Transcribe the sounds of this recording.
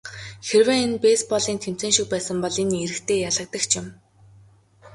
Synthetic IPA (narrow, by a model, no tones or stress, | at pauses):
xerweːenpeːspɔɮiːnt̪ʰem̥t͡seːŋʃik̚pæːsə̆mpɔɮenieɾɘ̆xt̪ʰeːjaɮə̆k̚t̪ə̆kt͡ɕʰɪ̆m